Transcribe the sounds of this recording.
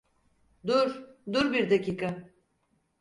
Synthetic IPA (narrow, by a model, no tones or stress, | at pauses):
d̪uɾd̪uɾbiɾd̪aciːkʰa